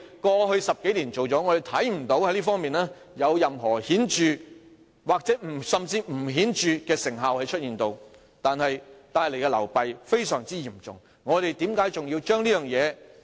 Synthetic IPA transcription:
kɔː˧ɦɵ˧ɥsɐ˨p̚ke˨˥jliː˨˩nt͡ʃo˨wt͡sɔː˨˥ŋɔː˨˧ɾe˨jt̪ʰɐ˨˥jm̩˨˩t̪o˨˥whɐ˧˥jliː˥fɔː˥ŋmiː˨˩nlaː˥ | jɐ˨˧wjɐ˨mɦɔː˨˩hiː˨˥nt͡ʃyː˨ | waː˨k̚t͡sɛː˨˥m̩˨˩sɐ˨mt͡siː˧m̩˨˩ɦiː˨˥nt͡ʃyː˨˧kɛː˧sɪ˨˩ŋɦaː˨whɐ˨˧jt͡ʃʰɵ˥t̚jiː˨nt̪o˧w | t̪aː˨nhɐ˨jt̪aː˧jle˨˩jkɛ˧lɐ˨˩wpɐ˨jfe˥jsœː˨˩ŋt͡siː˥jiː˨˩mt͡ʃʊ̰˨ŋ | ŋɔː˨˧ɾe˨jt̪iː˨˥mkaː˨˥jt͡sʊ˨ŋji˧wt͡ʃœː˥ŋliː˥jœː˨ŋjɛː˨˧

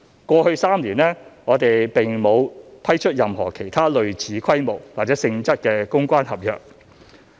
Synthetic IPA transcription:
kʷɔː˧hɵ˧ɥsaː˥mliː˨˩nɛː˥ŋɔː˨˧t̪e˨jpe˨ŋmo˨˧wpʰɐ˥jt͡ʃʰɵ˥t̚jɐ˨mɦɔː˨˩kʰe˨˩jt̪ʰaː˥lɵ˨ɥt͡sʰiː˨˧kʰɐ˥jmo˨˩wwaː˨˩t͡sɛː˨˥sɪ˧ŋt͡sɐ˥t̚kɛː˧kʊ˥ŋkʷaː˥nhɐ˨p̚jœ̰ː˨k̚

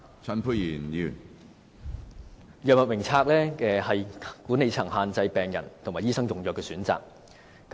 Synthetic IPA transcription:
t͡sʰɐ˨˧npʰu˧jiː˨˩njyː˨˩n | jœː˨k̚mɐ˨t̚wɪ˨˩ŋt͡sʰaː˧k̚lɛː˥ɛː˧hɐ˨jkuː˨˥ne˨jt͡sʰɐ˨˩ŋɦaː˨nt͡sɐ˧jpɛː˨ŋjɐ̰˨˩nt̪ʰʊ˨˩ŋmaː˨˩jiː˥sɐ˥ŋjʊ˨ŋjœː˨kːɛː˧syː˨˥nt͡sa̰ː˨k̚ː

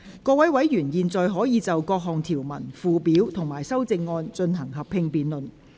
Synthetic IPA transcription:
kɔː˧wɐ˨˥jwɐ˨˥jjyː˨˩njiː˨˧nt͡sɔː˨jɦɔː˨˥jiː˨˧t͡sɐ˨wkɔː˧k̚ɦɔː˨˩ŋt̪ʰiː˨˩wmɐ˨˩nfuː˨˧piː˨˥wt̪ʰʊ˨˩ŋmaː˨˩jsɐ˥wt͡sɪ˧ŋːɔː˧nt͡ʃɵ˧nɦɐ˨˩ŋɦɐ˨p̚ʰɪ˧ŋpiː˨nlɵ˨n

